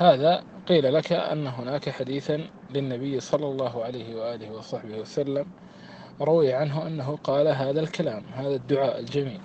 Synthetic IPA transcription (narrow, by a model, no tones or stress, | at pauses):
haːða | qiːlalakaʔa̰nːaɦʊnaːkaħad̪iːθa | lɪnːabɪjːsˤɑlːɑlˤːɑːɦʊʕalajhɪwaʔaːlɪhɪwɑsˤɑħbɪhwasalːam | ɾˤʊwɪjʕanɦʊʔanːaɦʊqɑːlaɦaːðalkalaːmhaːðad̪ːʊʕaːʔald͡ʒamiːl